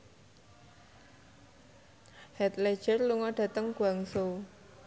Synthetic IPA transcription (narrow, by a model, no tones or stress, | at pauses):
hɛt̪̚le̥ʒ̥ərluŋɔɖ̥ä̤t̪əŋɡ̥waŋso